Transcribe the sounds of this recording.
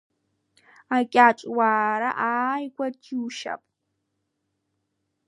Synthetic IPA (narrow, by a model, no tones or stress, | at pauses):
akʲʼaːt͡ʃʼwaːɾɐ̰ʔaːjɡʷɐrtʰiːʃɐ̰pʼ